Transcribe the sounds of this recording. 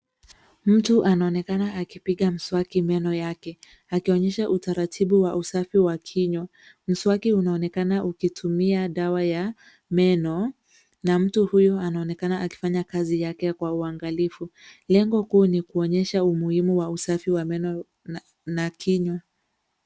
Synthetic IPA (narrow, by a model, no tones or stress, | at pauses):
m̩tuʔanaɔnɛkanaːkipiɠam̩swakimɛnɔjakɛ | akiɔɲɛʃaʔutaɾatʰiɓuwaʔusafiwakʰiɲwa | m̩swakiunaɔnɛkanaʔukitʰumiaɗawaja | mɛnɔ | nam̩tuhujɔanaɔnɛkanaaki̥faɲakazijakɛkwauaŋɡalifulɛŋɡɔhuːnikuɔɲɛʃaumuhimuwausafiwamɛnɔ | nakʰiɲwa